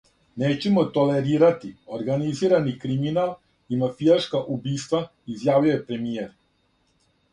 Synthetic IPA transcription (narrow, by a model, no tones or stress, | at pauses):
neːt͡ɕemo̞t̪o̞le̞ɾiːɾat̪ioɾɡaniziːɾanikɾiminal | imafijaʃkaʔubiːst̪ʋa | izjaːʋijojepɾe̞mijeɾ